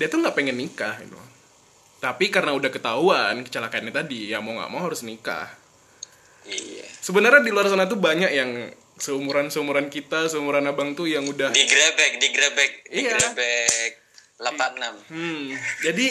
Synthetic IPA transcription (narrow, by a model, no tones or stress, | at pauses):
diat̪uŋɡaʔpeŋɛnːikahḭt̪ṵ | t̪apikaɾənaudahkət̪aɦuankə̥t͡ʃalakanɲat̪adijamoŋɡa̰ʔmawɦaɾʊsnika̰h | ia̰səbənərɲadiluars̬anat̪ubaɲakjaŋ | səumuɾansəumuɾankit̪as̬əumuɾanabaŋt̪ujaŋudahdiɡɾabɛk̚diɡɾabɛk̚ijaɡɾabɛk̚ | lapanam | d͡ʒadi